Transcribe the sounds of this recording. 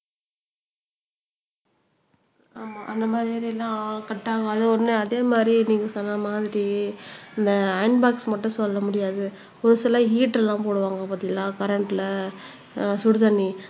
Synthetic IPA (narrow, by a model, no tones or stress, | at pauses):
aːmaːʔɐnd̪ɐmaːd̪ɾɪːd̪ɾiɛlːãːkɐʈːaːɣaːðɯɔɾnɯɐðeːmaːd̪ɾiniːŋkːɯsɔnːamaːðɪɾiɪnd̪ɐːɪnbaːksmɐʈːʊ̃sɔlːɐmʊɽɪjaːðɯ | ɔɾɯsɪlãːɦiːʈɛlːãːpoːɽɯʋaːŋɡɐpɐt̪ːɪŋɐlãːkɐɾɐɳʈɪlɐ | sʊɽɯt̪ɐnːi